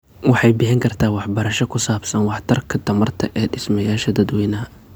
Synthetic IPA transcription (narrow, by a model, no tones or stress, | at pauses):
wɑħɑjbɪħɪŋkʰɐrt̪ʰaːwɑħbɐɾɐʃɔkʰʊsaːbsɐnwɑħt̪ʰɐrkʰɐt̪ʰɐmɐrt̪ʰɐʔɛːɖɪsmɐjaːʃɐd̪ɐd̪wɛjnɐɦɐ